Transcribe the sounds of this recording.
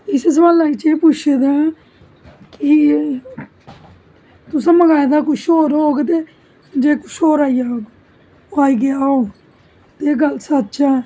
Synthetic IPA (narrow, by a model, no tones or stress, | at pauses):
ɪsesʋaːlaːit͡ʃeːpʊt͡ʃʰed̪aː | kɪ | t̪ʊsãːməɡaːed̪aːkʊʃoːɾoːɡt̪̬eː | d͡ʒeːkʊ̥ʃʰoːɾaːijaːoːɡ | oaːiːɡeaːoː | t̪eːɡəlsət̪ːt͡ʃãː